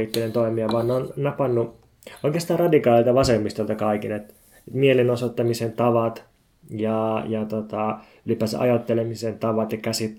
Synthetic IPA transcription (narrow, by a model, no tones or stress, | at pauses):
it̪ːelent̪oimiɑʋɑːnnonnɑpɑnːu | oikeɑst̪ɑːrɑdikɑːlilt̪ɑʋɑsemːist̪olt̪ɑkɑikinet̪ | et̪mielinosot̪ːɑmisent̪ɑʋɑt̪ | jɑjɑt̪ot̪ɑ | ylipæːsʔɑ̰jot̪ːelemisent̪ɑʋɑt̪jɑkæsit̪